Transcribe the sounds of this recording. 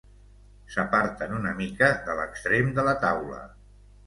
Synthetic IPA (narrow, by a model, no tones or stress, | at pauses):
səpaɾt̪ənunəmikəðələkst̪ɾemd̪ələt̪awlə̰